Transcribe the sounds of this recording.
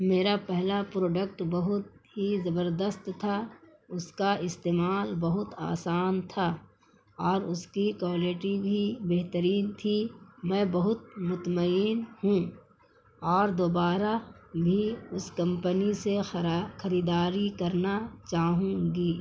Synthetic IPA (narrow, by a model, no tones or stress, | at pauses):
meːɾapɛɦlapɾoːɖək̚ʈbɐɦʊt̪̚ɦizɐbəɾd̪əst̪t̪ʰa | ʊskaɪst̪eːmaːlbɐɦʊt̪a̰ːsaːnt̪ʰaː | ɔːɾʊskikoːlɪʈibʱibeɦt̪əɾiːnt̪ʰimɛ̃ːbɐɦʊt̪̚mʊt̪məiːnhũ | ɔːɾd̪oːbaːɾabʱiʊskɐ̃mpənisexɐɾiːd̪aːɾikɐɾnat͡ʃaːɦũːɡiː